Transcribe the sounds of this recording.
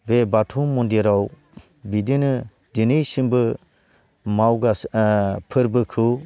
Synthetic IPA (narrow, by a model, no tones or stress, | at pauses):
bebatʰumɔndiɾaw | bidinɯ | dinɯjsiŋbɯ | mawɡaspʰɯɾbɯkʰɯ